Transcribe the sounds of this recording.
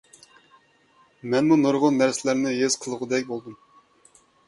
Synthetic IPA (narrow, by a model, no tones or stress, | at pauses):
mɛnmunoɾʁʊnːæɾsɪlæɾnɪɦez̥qʰəlˠəʁʊd̪ɛkʲbolˠd̪um